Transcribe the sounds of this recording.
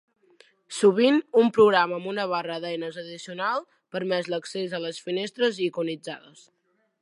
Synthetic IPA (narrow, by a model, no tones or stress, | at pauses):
suβ̞inumpɾuɣɾaməːmbunəβ̞arəðɛjnəzəðisiunalˠ | pəɾmɛzləksezələsfinest̪ɾəzikunid͡za̰ðəs